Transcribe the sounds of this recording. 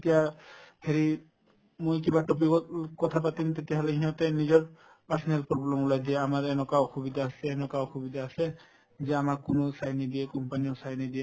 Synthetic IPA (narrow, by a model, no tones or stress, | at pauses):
t̪ijahʰeɾi | mujkibaʈɔpikɔkɔt̪ʰapat̪int̪et̪iaɦaleɡʱĩɔ̃t̪enid͡ʒɔɾ | paɾsɔnelpɾɔblɔmlad̪ieamaɾɛnɔkaxʰubid̪aːsɛːnɔkaoxubid̪aːsɛ | zɛamakːunosajnid̪iɛkɔmpaniɔsajnid̪ie